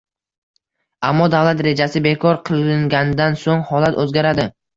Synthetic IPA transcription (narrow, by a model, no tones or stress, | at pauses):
amːɒd̪avlat̪ɾe̞d͡ʒasɪbe̞kʰɒɾqʰɨlˠɪŋɡʲanɪd̪ansoŋhɒlat̪ʰɵzɡʲaɾad̪ɪ